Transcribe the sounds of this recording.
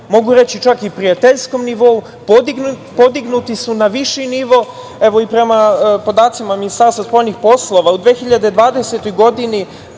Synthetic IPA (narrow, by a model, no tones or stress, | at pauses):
mo̞ɡuɾe̞t͡ɕit͡ʃakipɾijat̪eʎsko̞mniʋo̞u | p̪ | pod̪iɡnut̪isunaʋiʃiniʋo̞ | eʋo̞ipɾe̞mapo̞d̪aːt̪simaminist̪aːɾst̪vaspo̞jnixpo̞slˠo̞ʋaud̪ʋeːxiʎad̪ed̪ʋaːd̪eset̪o̞jɡo̞d̪ini